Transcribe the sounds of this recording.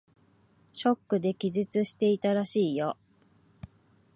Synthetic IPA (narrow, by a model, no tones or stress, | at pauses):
ɕo̞kːɯ̟d̪e̞kʲizɨt͡sɨɕi̥t̪e̞it̪aɾaɕiːjo̞